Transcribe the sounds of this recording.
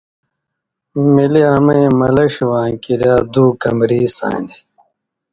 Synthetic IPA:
miliɐmɐ̃ĩmɐlɐɕwãːkiɾjaːd̪uːkɐmɾiːsa̰ːni

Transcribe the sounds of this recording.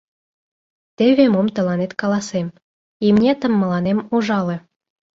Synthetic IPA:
t̪ĕβʲemomt̪ɤ̆lˠɑnet̪kɑlɑsem | imnʲet̪ə̆mːɤ̆lɑnemuʒɑlĕ

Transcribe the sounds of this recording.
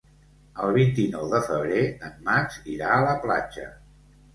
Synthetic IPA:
əlˠβint̪inɔwðəfəβ̞ɾeəmːat͡ʃiɾaələpla̰d͡ʒə̰

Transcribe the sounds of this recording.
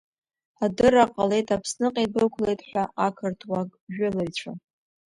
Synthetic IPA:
adɨraqʼale̞jtʰapʰsnɨqʼebɨlkʷʰle̞jtʼħʷᶣaakʰɨrtʰwaɡʼʒᶣʊlɨjt͡ɕʷʰa

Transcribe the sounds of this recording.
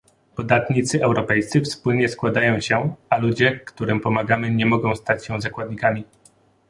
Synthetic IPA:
pɔd̪at̪ɲit̪sɘʔɛwɾɔpɛjst̪sɘfspulɲɛskwad̪ajɔ̃w̃ɕɛalud͡ʑɛkt̪uɾɘmpɔmaɡamɘɲɛmɔɡɔ̃w̃st̪at͡ɕɕɛ̃zakwad̪ɲikamʲi

